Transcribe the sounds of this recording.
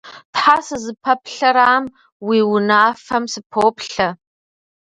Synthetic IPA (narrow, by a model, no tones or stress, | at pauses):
tħasɨzɨpʰɐpɬɐɾaːm | wiːwʊnaːfɐmsɨpʰoːpɬɐ